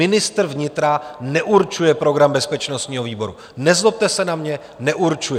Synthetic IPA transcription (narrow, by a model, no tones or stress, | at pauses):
ɪnɪst̪r̩vɲɪt̪ɾanɛʔuɾt͡ʃujɛpɾo̞ɡɾambɛspɛt͡ʃnost̪ɲiːɦo̞viːbo̞ɾu | nɛzlop̚t̪ɛsɛnamɲɛ | nɛʔuɾt͡ʃujɛ